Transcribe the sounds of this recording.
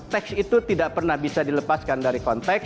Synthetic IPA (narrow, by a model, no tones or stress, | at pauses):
t̪ɛksit̪ut̪idaʔpərnahbisadiləpaskandaɾikɔnt̪ɛk